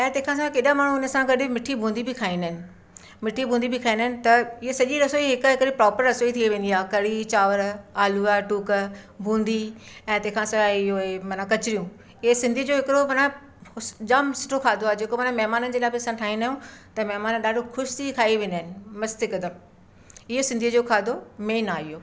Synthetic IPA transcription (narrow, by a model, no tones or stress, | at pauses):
ɛ̃ːt̪ẽɦɪ̃kʰãs̬ãkeːɗamaːɽ̃uːnə̆sãɡɐɗɪmɪʈʰibʱũːnd̪ibɪkʰaːĩːnd̪əɦɪnɪ̆ | mɪʈʰibʱũːnd̪ibɪkʰaːĩːnd̪əɦɪnɪ̆t̪ɐɪɦesɐʄiɾɐsoːiɦɪkɦɪkɪɾɪpɾɔːpəɾɐsoːit̪ʰieʋẽːnd̪iaːkɐɽit͡ɕaːʋəɾaːluaʈuːkbʱũːnd̪iɛ̃ːt̪ẽɦkʰãsãɪɦoemɐnakɐt͡ɕɪɾijũ | ɪɦesɪ̃nd̪ʱiəd͡ʑoɦɪkɪɾomɐna | ʊd͡ʑaːmsɪ̥ʈʰokʰaːd̪ʱoaːed͡ʑeːkomɐːnamɛɦmaːnənɪ̆d͡ʑeːlaːebɪɐsãʈʰaːĩnaːjũt̪ɐmɛɦmaːnɗaːɖʱokʰʊʃt̪ʰikʰaːiʋẽːnd̪aɦɪnɪ̆mɐst̪ikɐd̪əm | ɪɦosɪ̃nd̪ʱijəd͡ʑoːkʰaːd̪ʱomeːnaːɪjoː